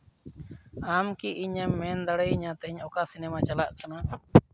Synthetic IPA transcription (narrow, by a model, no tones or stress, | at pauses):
amkiiɲɛmːɛnd̪aɽəjiɲat̪ɛɲɔkasinɛmat͡ʃalaʔkana